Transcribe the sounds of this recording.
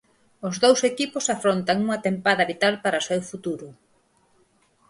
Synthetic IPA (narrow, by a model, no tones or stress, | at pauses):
ʊzðowsekipʊsafɾont̪aŋuŋɐt̪empaðɐβit̪alpaɾasewfut̪uɾʊ